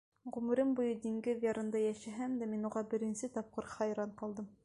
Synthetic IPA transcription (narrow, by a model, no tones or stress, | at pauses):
ʁʉmɘ̆ɾɘmbujɤd̪iŋɡɘðjɑɾɤ̆nd̪ɑjæʃæɦæmd̪æminuʁɑbɘ̆ɾɘ̆nsɘt̪ɒp̚qɤɾχɑjɾɑɴqɑlˠd̪ɤm